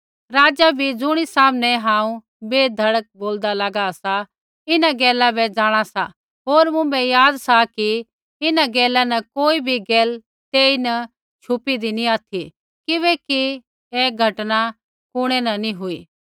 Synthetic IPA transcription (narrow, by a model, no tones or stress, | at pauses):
ɾaːd͡ʒabʱid͡zʊɽ̃isaːmnɛɦãːũ | beːd̪ʱɐɽək̚boːld̪alɐɡasa | ɪnaɡɛːlabɛd͡zaːɽ̃asa̰ | ɦoːɾmʊ̃bɛjaːd̪saki | ɪnaɡɛːlanɐkoːibʱiɡɛːl | t̪eːinɐ | t͡ʃʰʊpid̪iniaːt̪ʰi | kɪβɛki | eːɡʱɐʈna | kʊɽ̃ɛnɐnĩɦʊiː